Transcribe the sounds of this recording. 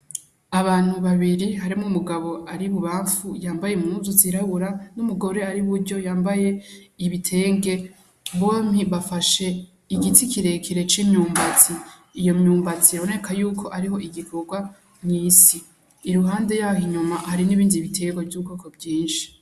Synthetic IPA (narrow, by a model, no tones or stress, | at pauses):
aβaːn̥uβaβiɾiɦaɾimumuɡaβo̞aɾiβuβaːɱfujaːmbaje̞mŋuzuziɾaβuɾanumuɡo̞ɾe̞aɾiβuɾɟo̞jaːmbaje̞iβitʰe̞ːŋɡe̞ | βo̞ːmhiβafaʃe̞ | iɡitʰikʰiɾe̞kʰiɾe̞t͡ʃimɲuːmbat͡siː | jo̞mɲuːmbat͡siaβone̞kʰajuːkʰo̞ʔaɾiɦo̞ʔiɡikʰo̞ɡwa | mɲiːsiː | ɾuɦaːnde̞jahiɲumahaɾiniβiːndiβitʰe̞ːŋɡovjuβukoːkobɟiːnʃi̥